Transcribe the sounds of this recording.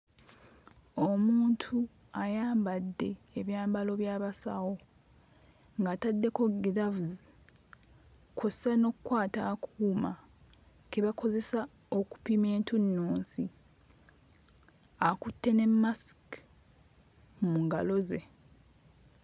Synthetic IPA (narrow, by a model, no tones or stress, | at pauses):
o̞muːntʰu | ajaːmbadːe̞ːβjaːmbalo̞βjaːβasa̰wo̞ | ŋɡaːtadːe̞ko̞ɡðavuzi | kʰozesano̞kukwaːtakʰuːma | keβako̞ze̞sa | oku̥pime̞ːntunːuːnsi | akutːe̞ne̞mːask | muŋɡalo̞ze̞